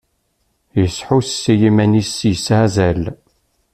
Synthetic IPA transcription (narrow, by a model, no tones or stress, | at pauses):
jəsħussːijimænisjəsazæl